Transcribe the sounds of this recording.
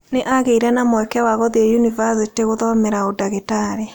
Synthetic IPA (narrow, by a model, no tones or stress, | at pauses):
neʔaɣeiɾɛnamwɛkɛwaɣɔðiɛjunivasiteɣoðɔmɛɾaodaɣetaɾe